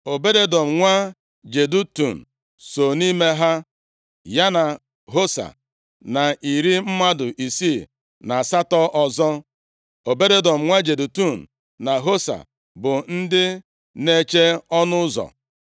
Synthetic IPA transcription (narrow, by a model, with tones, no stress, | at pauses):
o˨be˦de˦dɔ˨m̩˨ŋʷa˦ | d͡ʒe˨du˦tu˨n̩˨ | so˨ni˦me˦ɦa˦ | ja˦na˨ | ɦo˦sa̰˨ | na˨i˨ɾi˦m̩˦ma˦dʊ˨ʔi˨si˦˨ | na˨sa˦tɔ˦ʔɔ˨zɔ˦ | o˨be˦de˦dɔ˨m̩˨ŋʷa˦d͡ʒe˨du˨tu˦˨n̩˨ | na˨ɦo˦sa̰˨ | bʊ˨n̩˦dɪ˦ | ne˦t͡ʃe˦ɔ˦nʊ˦zɔ̰˨